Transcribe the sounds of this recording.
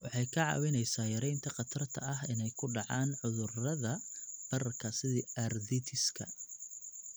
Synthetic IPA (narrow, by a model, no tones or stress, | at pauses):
wɑħɑjkʰɐʕɑ̰wɪnɛjsaːjɐɾɛjnt̪ʰɐqɑt̪ʰɐrt̪ʰɐ̰ɐɦɪnɛjkʰʊɖɑʕɑːnʕʊðʊrɐðɐb̥ɐrɐkʰɐsɪðiʔɐrdɪt̪ʰɪskʰɐ̰